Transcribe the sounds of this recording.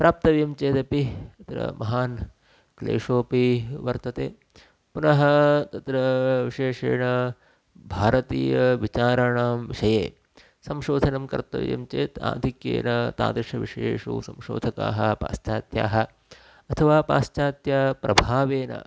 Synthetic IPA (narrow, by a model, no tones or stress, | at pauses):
pɾaːp̚t̪ɐʋjɐmt͡ʃeːt̪ɐpit̪ɐt̪ɾɐ̰mɐɦaːn | klḛːʂoːpiʋɐɾt̪ɐt̪eː | punɐɦɐt̪ɐt̪ɾɐʋiʂeːʂeːnɐ | bʱaːɾɐt̪iːjɐʋit͡ʃaːɾɐɳaːmʋiʂɐjḛː | sɐmʃoːd̪ʱɐnɐmkɐ̰ɾt̪ɐ̰ʋjɐ̰mt͡ʃeːt̪a̰ːd̪ʱikjḛːnɐt̪a̰ːd̪ɾʂɐʋiʂjeːʂṵːsɐmʃo̰ːd̪ʱɐka̰ːɦɐpa̰ːst͡ʃaːt̪ja̰ːɦɐ | ɐt̪ʰɐʋaːpa̰ːst͡ʃaːt̪jɐpɾɐbʱaːʋeːnɐ̰